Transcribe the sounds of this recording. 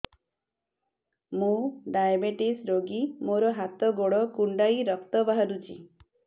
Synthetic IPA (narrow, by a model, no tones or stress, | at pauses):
mũɖajbeʈisɾoɡimoɾɔɦat̪ɔɡoɽɔkuɳɖajɾɔkt̪ɔbaɦaɾut͡ʃʰḭ